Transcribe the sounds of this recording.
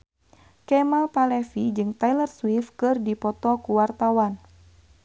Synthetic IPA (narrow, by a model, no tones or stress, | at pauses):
kɛmalpalɛfid͡ʒɨŋt̪ailərswifkɨrdipɔt̪ɔkuwart̪awan